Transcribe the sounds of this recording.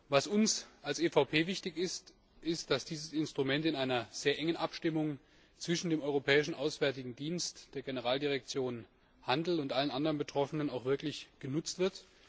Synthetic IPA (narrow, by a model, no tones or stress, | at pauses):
vasʊnsʔalsʔeːfaʊpʰeːvɪçtɪçɪst | ʔɪstd̥asd̥iːzəsɪnstʁ̥umɛntɪnaɪnɐz̥eːɐʔɛŋənʔapʃtɪmʊŋ | t͡sv̥ɪʃn̩deːmɔʏʁopʰɛːɪʃn̩ʔaʊsv̥ɛɐtɪɡŋ̩diːnstd̥eːɐɡenəʁaːldiʁ̞ɛk̚t͡sjoːn | handl̩ʊntʔalənʔandəʁənbətʁ̥ɔfənənaʊxv̥ɪɐklɪçɡ̥ənʊt͡stv̥ɪɐt